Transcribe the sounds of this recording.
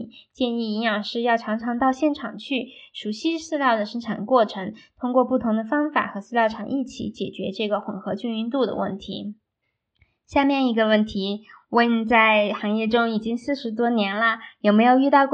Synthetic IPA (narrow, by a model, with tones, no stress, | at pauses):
t͡ɕjɛ˥˧ni˥˩i˧˥njɑ˨˩ŋʂɻ̩˥˧jɑ˥˩ʊʈ͡ʂʰɑ˧˥ŋʈ͡ʂʰɑ˧˥ŋt̪ɑ˥˧ʊɕjɛ˥˩nʈ͡ʂʰɑ̰˨˩ŋt͡ɕʰy˥˩ʂu˨˩ɕi˥sɹ̩˥˧ljɑ˥˩ʊd̪ə˩ʂə˥ŋʈ͡ʂʰa˨˩nkwɔ˥˩ʈ͡ʂʰɤ˧˥ŋt̪ʰʊ˥ŋkwɔ˥˧pu˥˩t̪ʰʊ˧˥ŋd̪ə˧fɑ˥ŋfa̰˨˩˦xɤ˧˥sɹ̩˥˧ljɑ˥˩ʊʈ͡ʂʰɑ˨˩ŋʔi˥˩t͡ɕʰḭ˧˥t͡ɕjɛ̰˨˩t͡ɕɥɛ̰˧˥ʈ͡ʂɤ˥˩ɡə˩xwə˨˩nxɤ˧˥t͡ɕy˥˧ŋy˥˧nt̪u˥˩d̪ə̰˩wə̰˥˩nt̪ʰḭ˧˥ | ɕja˥˧mjɛ˥˩ni˧˥ɡə˧wə˥˩nt̪ʰi˧˥we˥˩t͡sa˥˩ɪxɑ˧˥ŋjɛ˥˩ʈ͡ʂʊ˥ŋi˨˩t͡ɕi˥ŋsɹ̩˥˩ʂɻ̩˧˥t̪̬wɔ˥njɛ˧˥nlə˨jo˨˩ʊme˧˥ɪjo˨˩ʊy˥˧t̪ɑ˥˧ʊk